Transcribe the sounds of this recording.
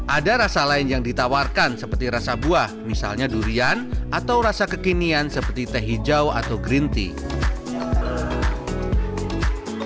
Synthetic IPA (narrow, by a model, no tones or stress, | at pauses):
ʔadaɾasalaɪnjaŋdit̪awarkansəpərt̪iɾasabuahmisa̰lɲaduɾianʔat̪awɾasakəkiniansəpərt̪it̪əɦid͡ʒawa̰t̪awɡɾint̪ḭ